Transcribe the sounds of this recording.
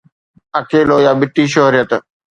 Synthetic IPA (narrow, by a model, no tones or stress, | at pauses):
ɐkeːloːjaːbɪt̪ːiːʃ̬oɦɾɪjət̪